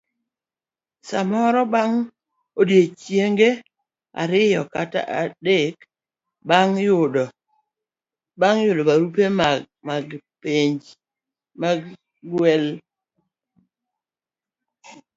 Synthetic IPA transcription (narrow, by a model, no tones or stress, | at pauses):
samɔɾɔbaŋ | odjet͡ʃjeŋɡe | a̰ɾɪjɔkata̰ʔadek | baŋjʊd | baŋjʊdobaɾupem | maɡpeɲd͡ʒ | ma | ɡwɛl